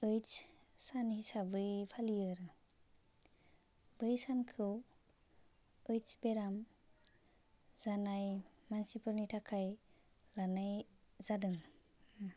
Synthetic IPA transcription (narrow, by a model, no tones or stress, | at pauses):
ɯjt͡ʃ | sanhisabɯjpʰalijɯɾɯ | bɯjsankʰɯw | ɯjt͡ʃbeɾam | zanajmansipʰɯɾnitʰakʰaj | lanajzadɯŋ